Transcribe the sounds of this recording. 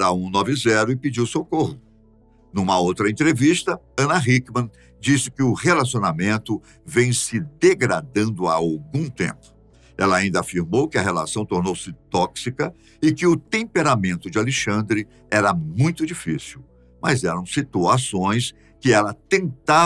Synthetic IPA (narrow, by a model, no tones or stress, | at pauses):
ɾaũnɔvɪzɛɾʊɪpid͡ʒiwsokoɦʊ | nũmɐowt̪ɾɐẽnt̪ɾevist̪ɐ | ɐ̃nɐɦikmɐ̃ | d͡ʒisɪ̥kɪʊhelasionamẽnt̪ʊ | vẽj̃sɪd̪eɡɾad̪ɐ̃nd̪ʊa̰awɡũt̪ḛ̃mpʊ̥ | ɛlɐaĩnd̪ɐafiɾmowkɪɐɦela̰sɐ̃w̃t̪oɾnowsɪt̪ɔksikɐ | ɪkɪʊt̪ẽmpeɾamẽnt̪ʊd͡ʒɪaleʃɐ̃nd̪ɾɪ | ɛɾɐmũj̃t̪ʊd͡ʒifisiw | mɐzɛɾɐ̃w̃sit̪uasõj̃s | kɪɛlɐt̪ẽnt̪a